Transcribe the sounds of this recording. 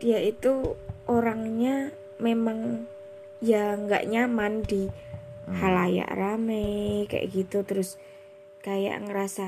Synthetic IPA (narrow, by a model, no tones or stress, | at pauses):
d̪ijait̪uʔoɾaŋɲa | memaŋ | jaŋɡa̰ʔɲamand̪i | halaja̰ʔɾamɛka̰ʔɡit̪ut̪əɾʊs | kaja̰ʔŋəɾasa